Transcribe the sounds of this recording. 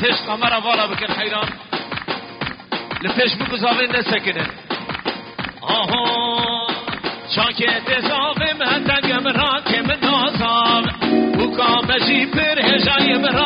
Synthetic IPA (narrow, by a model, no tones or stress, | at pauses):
t̪ʰeːʃt̪qɑːmɛɾɑvɑːlɑːbɨkɨnħɛjɾɑːn | lɨpʰeːʃbɨɡʊzɑːvenːɛsɛkɨnɨn | ɑɦõ | t͡ʃʰɑ̃ːŋkʰet̪eːzɑːvemhɛd̪ɛŋɡɛmɨɾɑːkʰemɨnːɑːzɑːvhukʰɑːmɛʒipɨɾheːʒɑːnjemɨɾɑ